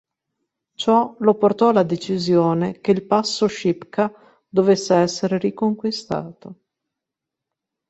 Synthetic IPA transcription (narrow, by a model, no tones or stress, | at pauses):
t͡ʃɔloport̪ɔlad̪et͡ʃizjoːnekeilpasːoʃipka | d̪ovesːeɛsːeɾeɾikoŋkwist̪a̰ːt̪o